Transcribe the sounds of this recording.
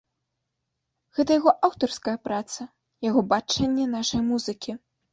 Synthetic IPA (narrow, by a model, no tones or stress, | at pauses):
ɣɛt̪ɐjaɣɔʔawt̪ɐrskɐjɐpɾat̪sɐ | jaɣɔbat͡ʂɛnʲːɛnaʂɐjmuzɨkʲi